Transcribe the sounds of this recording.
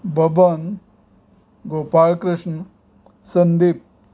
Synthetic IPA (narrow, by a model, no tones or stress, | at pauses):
bʱɐbɐn | ɡoːpaːlkɾɪʂɳə | sɐnd̪ip̚